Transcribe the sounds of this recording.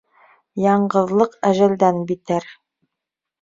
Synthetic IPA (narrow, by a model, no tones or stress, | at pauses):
jɑɴɢɤ̆ðlˠɤqæʒæld̪ænbit̪ɘɾ